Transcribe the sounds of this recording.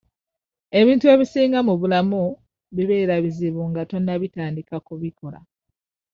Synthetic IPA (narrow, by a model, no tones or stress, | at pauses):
e̞βiːntue̞ːβisiːŋɡamuβulamu | βiβeɾaβiziβuŋɡato̞nːaβitaːndikakuβikʰo̞la̰